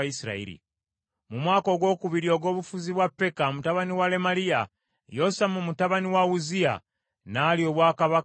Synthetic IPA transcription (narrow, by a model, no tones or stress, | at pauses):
isiɾa̰ḭɾḭ | mumwaːko̞ɡwo̞ːkuβiɾio̞ːɡo̞ːβufuziβwapːe̞kamutaβaniwale̞malia | jo̞samumutaβaniwauzia̰ | nalio̞βwaːkaβa